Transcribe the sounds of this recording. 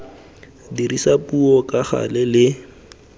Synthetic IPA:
diɾisapuɔkaχa̰lɛlɪ

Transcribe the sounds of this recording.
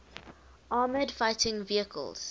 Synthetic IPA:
ʔɑːmədfaɪtʰɪ̃ŋviəkʰə̰lz̥

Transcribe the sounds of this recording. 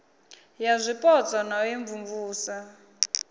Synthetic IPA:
jazʷipʼɔt͡sʼanajeɱvumvuːsa

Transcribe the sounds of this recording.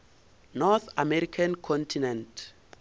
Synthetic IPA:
nɔθamɛɾikʰãnkʰɔ̃ntʰinɛ̃nt

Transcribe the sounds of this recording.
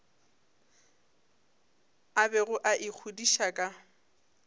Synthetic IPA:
abɛɣʊʔaʔɪk͡xʰudiʃakʼa

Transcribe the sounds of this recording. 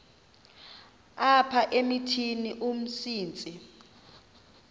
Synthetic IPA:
apʰaʔemitʰiniʔum̩siːnt͡sʼi

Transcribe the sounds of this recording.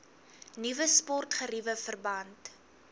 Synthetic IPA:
nivəspɔrtχəɾivəfərbɐnt

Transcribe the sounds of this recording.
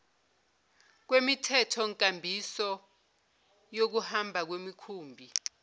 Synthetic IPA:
k̬wemitʰɛtʰɔŋkʼambʱisɔ | jok̬uhambʱak̬wemikʰuːmbʱi

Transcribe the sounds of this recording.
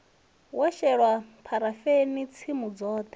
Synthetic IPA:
waʃɛɺwapʰaɾafenit͡sʰimud͡zɔːt̪ʰɛ̥

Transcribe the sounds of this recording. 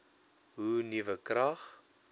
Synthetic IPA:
ɦunivəkrɐχ

